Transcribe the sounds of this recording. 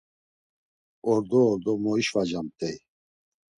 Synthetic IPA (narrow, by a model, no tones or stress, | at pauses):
ɔɾd̪ɔːɾd̪ɔmɔiʃvad͡ʒamt̪ʼɛj